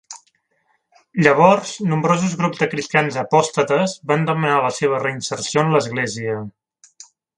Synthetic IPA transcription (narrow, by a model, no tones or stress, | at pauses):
ʎəβ̞ɔɾz̥numbɾozuzɣɾubzd̪əkɾist̪ianzəpɔst̪ət̪əzband̪əmənaləseβ̞ərəinsəɾsionləzɣleziə